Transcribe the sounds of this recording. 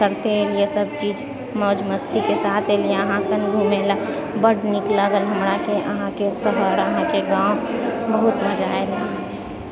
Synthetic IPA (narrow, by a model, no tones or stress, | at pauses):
əɾt̪eɦeliesəb̚t͡ʃiːd͡ʒ | mɔːd͡ʒməst̪ikesaːt̪ʰelieəɦãkənɡ̪ʱumelabəɽnɪklaɡəlɦɐmɾakeʔəɦãkesəɦəɾəɦãkeɡãːõbəɦʊt̪məd͡ʒaːele